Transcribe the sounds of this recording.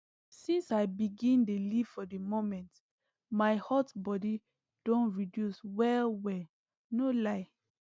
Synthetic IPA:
sĩnsaɪbiɡĩndeliv̥fɔdemomɛ̃nt | maɪhɔtbɔdi | d̥õnɹidjuswɛlwɛ | nolaɪ

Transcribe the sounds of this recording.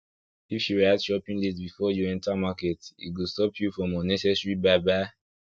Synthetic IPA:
ifjuɹiatʃɔpĩŋlisbifɔjuɛ̃ntamaketḭt̚ɡostɔpʰjufɹɔ̃mɔnɛsɛsɹibaɪbaɪ

